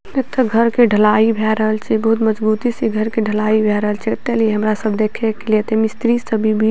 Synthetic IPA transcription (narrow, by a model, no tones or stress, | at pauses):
et̪ːəɡʱəɾkeɖʱəlaːibʱɛɾəɦəlt͡ʃʰibəɦut̪məd͡ʒbut̪isiɡʱəɾkeɖʱəlaːibʱɛɾəɦəlt͡ʃʰɛt̪ːɛlieɦəmɾasəbʱd̪ekʰɛkeliet̪emist̪ɾisəbʱibʱi